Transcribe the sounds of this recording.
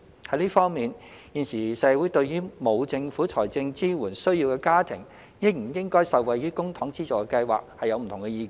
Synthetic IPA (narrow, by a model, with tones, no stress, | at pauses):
hɐ˨˥jliː˥fɔː˥ŋmiː˨njiː˨˩nsiː˨˩sɛː˨˧˥wu˨˥jt̪ɵ˧ɥɥyː˥mo˨˧wt͡sɪ˧ŋfuː˨˥t͡sʰɔː˨˩jt͡sɪ˧ŋt͡siː˥wuː˨˩nsɵ˥ɥjiː˧wkɛː˧kaː˥t̪ʰɪ̰˨˩ŋ | jɪ˥k̚m̩˨˩jɪ˥ŋkɔː˥jsɐ˨wwɐ˨jɥyː˥kʊ˥ŋt̪ʰɔː˨˥ŋt͡siː˥t͡sʊ˨˩kɛ˧kɐ˧jwa̰ː˨k̚hɐ˨jɐ˨˧wm̩ʰ˨˩ʊ˨˩ŋkɛ˧jiː˨˧kː